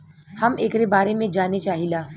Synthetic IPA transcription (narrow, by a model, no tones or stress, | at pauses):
hɐmeːkɾebaːɾemẽd͡ʒaːnet͡ʃaːɦilaː